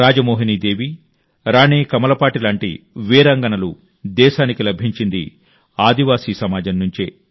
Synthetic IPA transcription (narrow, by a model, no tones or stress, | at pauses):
ɾaːd͡ʒɐmoːɦiniːd̪eːʋi | ɾaːneːkɐmɐlɐpaːʈilaːɳʈḭ | ʋiːɾɐŋɡɐnɐlu | d̪ɛːʃaːnikilɐbʱiɲt͡ʃind̪ḭ | aːd̪iʋaːsiːsɐmaːd͡ʒɐnnuɲt͡ʃḛː